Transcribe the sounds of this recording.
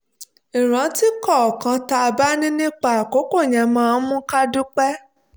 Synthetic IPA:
i˨ɾ̃ã˨˦ti˦kɔ˦˨kã˧ta˧ba˦nĩ˦nĩ˦k͡pa˦˨ko˨˦ko˦˨ɲã˨mãː˦˧˨mũ˦ka˦du˦k͡pɛ˦

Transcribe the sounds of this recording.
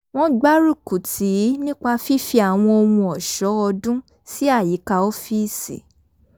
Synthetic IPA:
w̃ɔ̃˦ɡ͡ba˦ɾu˦˨ku˨ti˨˦nĩ˦k͡pa˧fi˦fi˧a˨w̃ɔ̃˧o˧wũ˧ɔ˨ʃɔ˨˦ɔ˧dũ˦ | si˦a˦˨ji˨˦ka˧o˦fi˦˨sḭ˨˦

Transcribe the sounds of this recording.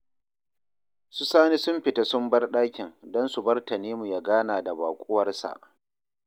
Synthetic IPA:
su˦saː˦ni˦sʊ˦mɸɪ˨ta˦sʊ˦mbɐ˦rɗaː˦kʲɪ˨ŋdɔ˦nsu˨bɐ˦rtɐ˨neː˦mu˨ja˦ɡaː˦naː˨da˨ba̰ː˨kʷʼʊ˦wɐ˦rsa̰˨ʔ

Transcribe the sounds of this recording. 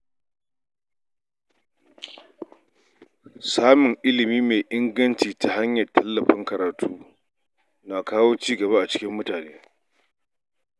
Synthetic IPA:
saː˦mʊ˨ŋʔɪ˦lɪ˨miː˦meː˨ʔɪ˦ŋɡɐ˦nt͡ʃiː˨ta˨ɦa˦ɲjɐ˨rtʰɐ˦lːɐ˨ɸɪ˦ŋkɐ˨ɾaː˨tʰuː˦ | na˨kaː˦woː˦t͡ʃiː˦ɡɐ˨βa˦ʔa˨t͡ʃɪ̥˦kʲɪ˦mːʊ˦taː˨neː˦

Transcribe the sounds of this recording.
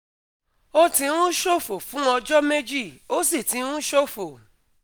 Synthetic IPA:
o˦tĩ˧˦ũ˦ʃo˦˨fo˨fũ˨˦ɔ˧d͡ʒɔ˦me˦d͡ʒi˦˨o˦si˦˨tĩ˨˧˦ũ˦ʃo˦˨fo˨

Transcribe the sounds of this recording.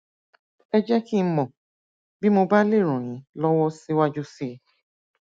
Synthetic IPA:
ɛ˧d͡ʒɛ˦ki˦˧˦mɔ̃˨ | bi˦mo˧ba˦le˦˨ɾ̃ɔ̃˨ɾ̃ĩ˨˦lɔ˦wɔ˦si˦wa˦d͡ʒu˦si˦

